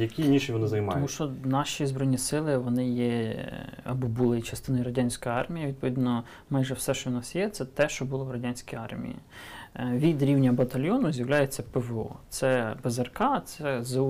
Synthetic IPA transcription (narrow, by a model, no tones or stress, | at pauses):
jɐkʲinʲiʃʲiʋɔnɪzɐjmɑɔmuʃt͡ʃɔnɑʃizbɾɔjnʲisɪlˠɪʋɔnɪjɛ | ɐbɔbulˠɪjit͡ʃɐst̪ɪnɔjiɾɐdʲanʲsʲkɔjɑrmʲijɐʋʲid̪̚pɔʋʲid̪nɔ | mɑjʒɛwsɛʃt͡ʃɔwnɑsjɛt̪sɛt̪ɛʃt͡ʃɔbʊlˠɔwrɐdʲanʲsʲkiɑ̰rmʲḭjḭ | ʋʲid̪ɾʲiwnʲɐbɐt̪ɐlʲjɔnʊzʲjɐwlʲajɛt͡sʲːɐpɛʋɔ̰t̪sɛbezɐrkɑt̪sɛz